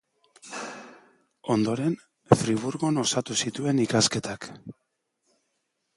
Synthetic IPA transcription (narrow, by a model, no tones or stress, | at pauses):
o̞nd̪o̞ɾe̞n | fɾiβ̞uɾɣo̞no̞sat̪usit̪ue̞nikaske̞t̪ak